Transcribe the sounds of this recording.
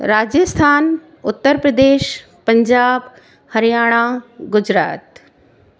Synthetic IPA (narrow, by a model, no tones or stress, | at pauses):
ɾaːd͡ʒjəst̪ʰaːn | ʊt̪ːəɾpɾəd̪eːʃ | pɐɲd͡ʒaːb | hɐɾijaːɽ̃aɡʊd͡ʒɾaːt̪